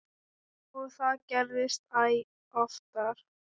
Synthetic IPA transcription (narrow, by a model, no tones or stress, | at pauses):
ɔɣθaðcɛɾvɪst̪aj | ɔft̪aɾ̥